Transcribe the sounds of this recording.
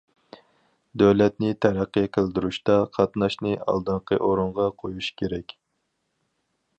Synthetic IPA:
d̪øwlɛt̪nɪt̪ʰæɾæqːəqʰəlˠd̪yɾuʃt̪ɑqʰɑt̪nɑʃnɨɑ̰lˠd̪ɨɴqʰəʔoɾuɴʁɑqʰojuʃkʲʰeɾɛkʲ

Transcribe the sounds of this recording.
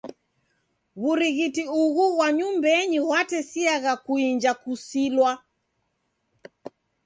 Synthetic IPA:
βuɾiɣitiuɣuɣwaɲumbɛɲiwatɛsiaɣakuiɲd͡ʒakusilwa

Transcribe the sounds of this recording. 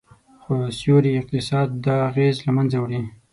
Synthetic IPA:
xosjoɾiɪq̚t̪ɪsɑd̪ːɑːɣezlamanzawɽi

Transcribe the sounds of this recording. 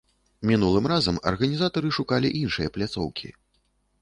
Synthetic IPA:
mʲinulˠɨmrazɐmɐ̰rɣɐnʲizat̪ɐɾɨʂukalʲḭʔinʂɨjɐplʲat̪sɔ̰wkʲḭ

